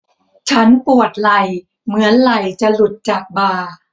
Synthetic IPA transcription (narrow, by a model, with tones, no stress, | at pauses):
t͡ɕʰa˦˥npu˨˩ət̪̚la˨˩j | mɯ˩˦ənla˨˩jt͡ɕa˨˩lu˨˩t̪̚t͡ɕaː˨˩k̚baː˧